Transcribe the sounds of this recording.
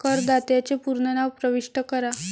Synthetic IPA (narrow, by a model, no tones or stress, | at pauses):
kəɾd̪at̪jat͡ɕepuɾɳənaʋpɾəʋiʂʈəkəɾa